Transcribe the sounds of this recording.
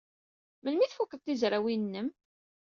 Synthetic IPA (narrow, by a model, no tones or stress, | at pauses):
mənmiθfukːəðˤt̪ːizɾˤawinːəm